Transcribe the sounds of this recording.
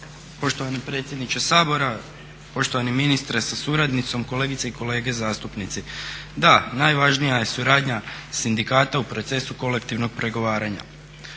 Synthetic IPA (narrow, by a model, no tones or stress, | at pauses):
po̞ʃt̪oʋanepɾet̪sje̞d̪nit͡ʃesaːbo̞ɾa | po̞ʃt̪o̞ʋaniminist̪ɾesasuɾad̪nit̪so̞mko̞le̞ːɡit̪seiko̞le̞ːɡe̞zaːst̪upnit̪sid̪anajʋaʒnijaje̞suɾaːd̪ɲasind̪ikaːt̪aupɾo̞t̪se̞suko̞le̞kt̪iʋno̞ɡ̚pɾe̞ɡo̞ʋaːɾaɲa̰